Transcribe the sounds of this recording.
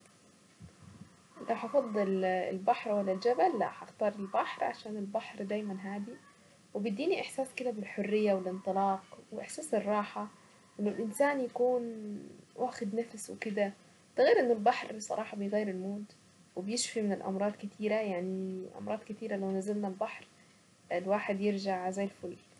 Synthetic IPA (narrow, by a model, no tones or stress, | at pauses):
lʔawħɑfɑd̪ˤːɨlɪ̰lbaħɾwalːald͡ʒabalːa̰ħaxt̪ɑːɾˤɪlbaħɾˤʕa̰ʃaːnɪlbaħɾd̪aːjmanɦaːd̪i | wɪbid̪ːiːniʔɪħsaːskɪd̪abɪlħorːɪjːawɪlʔɪnt̪ˤɨlɑːqwɪʔɪħsaːsɨrˤːɑːħɑ | ʔɪnːʊlʔɪnsaːnjakuːn | wʔaːxɪd̪nafswɪkɪd̪a | t̪ːɑɣiːɾʔɪnːʊlbaħɾˤsˤɑ̰ɾˤɑːħɑbɪjɣajːɪɾɪlmoːd̪ | wɪbjɪʃfimɪnɪlʔɑ̰mɾˤɑːd̪kɪt̪ʰiːɾajaʕniʔɑ̰mɾˤɑːd̪kɪt̪iːɾalawnazalnalbaħɾ | ɪlwaːħɪd̪jɪɾʒaʕzajːɪlfʊlː